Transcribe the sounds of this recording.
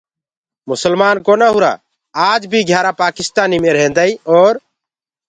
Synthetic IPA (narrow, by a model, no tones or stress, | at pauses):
mʊsəlmaːnkoːnaːɦʊɾa̰ː | aːd͡ʒbʱiːɡʱjaːɾaːpaːkɪst̪aːnimẽːɾɛ̃nd̪aːiːɔːɾ